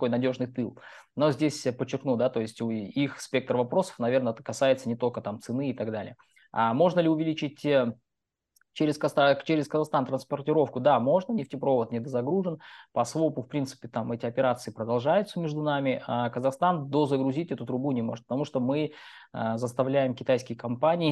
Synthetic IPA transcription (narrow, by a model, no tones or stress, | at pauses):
t̪ɐko̞jnɐdʲo̞ʐnɨjt̪ɨlˠno̞zʲdʲesʲpət͡ɕːɪrknud̪at̪o̞jɪsʲtʲuixsʲpʲe̞k̚t̪rəvɐpɾo̞sə̥fnɐvʲe̞rnəɛt̪əkɐsajɪt̪sənʲɪt̪o̞lʲkət̪amt̪sɨnɨːt̪ɐɡd̪alʲɪ̰jə | a̰mo̞ʐnəlʲɪʊvʲɪlʲit͡ɕɪt̚ʲ | t͡ɕeɾʲɪskɐst̪t͡ɕeɾʲɪskəzɐxst̪ant̪ɾənspərtʲɪɾo̞fkʊd̪amo̞ʐnənʲɪftʲɪpɾo̞vət̪nʲɪd̪əzɐɡɾuʐɨnpɐsvo̞pʊfpɾʲinsɨ̥pʲɪt̪amɛtʲɪɐpʲɪɾat̪sɨɪpɾəd̪ɐlˠʐajʊt̪səmʲɪʐd̪ʊnamʲɪakəzɐxst̪and̪ozəɡɾʊzʲitʲɛt̪ʊt̪ɾʊbunʲɪmo̞ʐɨt̪pət̪ɐmuʂt̪o̞mɨəzəst̪ɐvlʲæjɪmkʲɪt̪ajskʲɪjəkɐmpanʲɪː